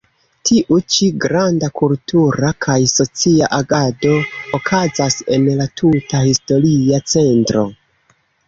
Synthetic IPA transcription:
tʰiʔut͡ʃiɡɾandakultuɾakʰajso̞t͡siaʔaɡado̞ːkʰazase̞̰nlatʰutahisto̞ɾiat͡se̞ntɾo̞

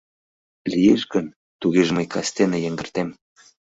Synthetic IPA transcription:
lijeʃɡən | t̪uɣeʒməjkɑst̪enĕjəŋɡə̆rt̪em

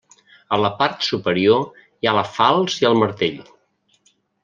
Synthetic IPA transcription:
ələpaɾt̪supəɾio | ialəfalˠziəlˠməɾt̪eʎ

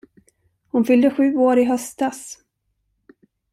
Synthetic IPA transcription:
hʊnfʏld̪əɧʉ̟ːoːɾɪɦœst̪as

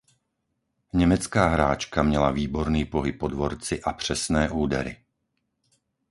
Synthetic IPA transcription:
ɲɛmɛt͡skaːɦɾaːt͡ʃkamɲɛlaviːbɔɾniːpɔɦip̚ːɔd̪ʋɔɾt͡sɪʔapr̝̥ɛsnɛːʔuːd̪ɛɾɪ̰

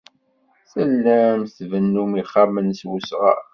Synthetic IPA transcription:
səlːæmθvənːumiχːamənswusʁɑ̰

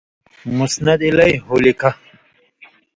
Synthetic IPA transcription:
musnɐd̪ilɐjɦolikʰɐ

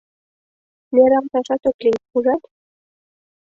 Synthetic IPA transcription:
nʲeɾɑmt̪ɑʃɑt̪ŏklixuʒɑt̪

